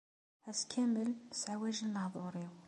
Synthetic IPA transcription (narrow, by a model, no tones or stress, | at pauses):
ʕæskʰæməlsʕwæʒənːəhðˤuɾiw